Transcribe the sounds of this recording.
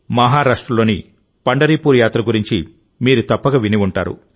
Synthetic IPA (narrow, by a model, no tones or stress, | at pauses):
mɐɦaːɾaːʂʈɾɐloːni | pɐɳɖɐɾiːpuːɾjaːt̪ɾɐɡuɾiɲt͡ʃi | miːɾut̪ɐpːɐɡɐʋiniʋuɳʈa̰ːɾṵ